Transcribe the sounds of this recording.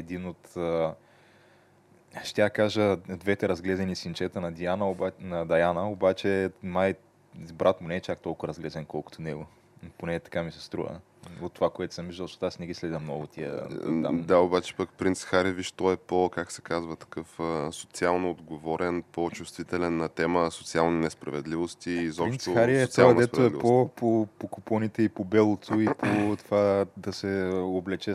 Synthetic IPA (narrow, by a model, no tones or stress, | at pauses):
ɛd̪inot̪ə | ʃt̪ʲakaʒəd̪vɛt̪ɛɾɐzɡlɛzɛnisint͡ʃɛt̪ənɐd̪ianənɐd̪ɐjanəobat͡ʃɛmaj | bɾʔat̪mʊnɛːt͡ʃak̚t̪ɔlˠkʊɾɐzɡlɛzɛnkɔlˠkʊ̥t̪ʰonɛɡo | ponɛt̪ɐ̥kamisɛ̥st̪ɾṵvə̰ | ot̪ːovakoɛt̪ʊ̥səmviʒəlˠʃot̪asnɛɡʲislɛd̪ʲɐmnɔɡʊt̪ʰiə̰a̰d̪aobat͡ʃɛ̥pəkpɾint̪sxaɾiviʃt̪ɔɛpokaksɛ̥kazvət̪ɐ̥kɤfəsot̪sialˠnoːd̪ɡovɔɾɛnpot͡ʃust̪vit̪ɛlɛnːɐt̪ɛməsot̪sialˠninɛspɾɐ̰vɛd̪livost̪izɔpɾinʃt̪oxaɾiɛot̪ad̪ɛpɾɐoɛlipopopokʊpɔnit̪ɛipobɛlˠot̪ʰʊipʰot̪ovad̪ɐsɛoblɛt͡ʃɛ